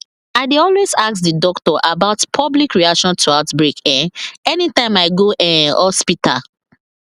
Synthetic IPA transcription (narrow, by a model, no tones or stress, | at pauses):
aɪdeɔlwezak̚sdidɔktɔʔabaʊtpʰɔblikɹiakʃɔ̃ntʰuaʊtbɹekɛ̃nɛnitãɪ̃maɪɡoʔɛ̃ɔspita